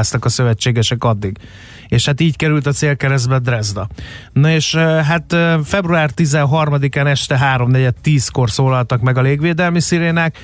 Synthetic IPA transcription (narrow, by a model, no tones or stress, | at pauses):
st̪ɒkɒsø̞vɛt͡ʃːeːɡɛʃɛkɒd̪ːiɡ | eːʃhat̪iːckɛɾylt̪ɒt̪seːlkɛɾɛzd̪bɛd̪rɛzd̪ɒnoeːʃɦat̪øfɛbruaːrt̪izɛnɦɒrmɒd̪ikaːnɛʃt̪ɛɦaːɾo̞mnɛɟɛt̪ːiːsko̞rsoːlɒlt̪ɒkmɛɡɒleːɡʋeːd̪ɛlmisiɾeːnaːk